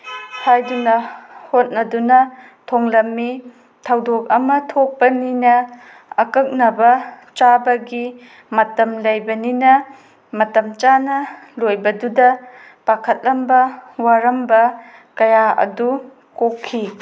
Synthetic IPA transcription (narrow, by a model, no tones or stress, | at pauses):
hajdunɐhot̚nɐdunɐ | tʰoŋlɐmːi | tʰɐwdok̚ɐmɐtʰok̚pɐninɐ | ɐkɐk̚nɐbɐ | t͡ʃabɐɡi | mɐtɐmlɐjbɐninɐ | mɐtɐmt͡ʃanɐlojbɐdudɐ | pakʰɐt̚lɐmbɐwaɾɐmbɐ | kɐjaɐ̰du | kokʰːi